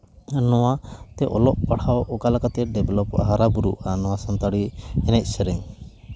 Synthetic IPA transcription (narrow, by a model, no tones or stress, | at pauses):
nɔwat̪ɛʔɔ̰lɔʔpaɽawɔkalakat̪ɛɖɛbɛlɔpɦaɾabuɾṵanɔwasɔnt̪aɽiɛnɛc̚ˀsɛɾɛŋ